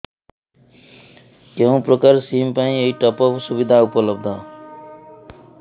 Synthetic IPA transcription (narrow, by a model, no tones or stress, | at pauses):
keɦũprʌkarsimpaĩeiʈʌpʌbsubid̪ʱaupʌlʌb̚d̪ʱʌ